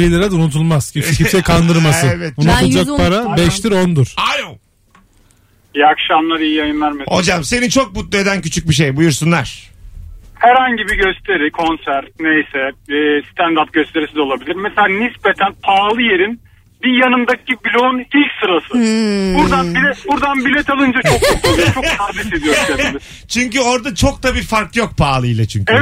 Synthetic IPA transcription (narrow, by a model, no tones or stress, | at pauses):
ilʲeɾɛd̪aunut̪ʰulˠmaz̥cit͡ʃcʰiɛkʰand̪ɯɾmassɯevɛt̪unut̪ud͡ʒakpʰaɾabɛʃt̪iɾond̪uɾ̥alo | jakʃamlˠaɾijijajɯnlˠaɾmeho̞̰d͡ʒamse̞nint͡ʃʰo̞k̚but̪lˠue̞d̪æncyt͡ʃʰyc̚biʃ̬ejbujuɾsunlˠa̰ɾ̥ | hæɾhaɲɟibiɟø̞st̪ʰe̞ɾikʰo̞nsæɾt̪̚nejsɛːst̪ʰænd̪ap̚ɟøst̪ʰe̞ɾisizɛo̞lˠabilʲiɾmeselʲaːnispe̞t̪ʰænpʰaːlˠɯje̞ɾin | bijanɯmd̪acʰibilʲounilʲcsɯɾasɯbuɾd̪anbilɛbuɾd̪anbilʲet̪ʰalˠɯnd͡ʒat͡ʃʰok̪ʰok̪ˠat͡ʃʰokh̪aɾb̪isizɡøst̪ʰeɾi | t͡ʃʰyɲcyo̞ɾd̪at͡ʃʰo̞k̚t̪ʰabiːfaɾklˠɯjok̚pʰaːlˠɯjlˠat͡ʃʰyɲcʰe